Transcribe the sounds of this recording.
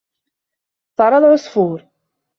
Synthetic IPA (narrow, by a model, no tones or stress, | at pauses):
θɑɾˤɑðʕosˤfuɾ